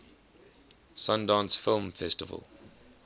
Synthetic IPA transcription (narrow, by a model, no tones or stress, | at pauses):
sãndɑ̃nsfɪlˠmfɛstɪvə̰lˠ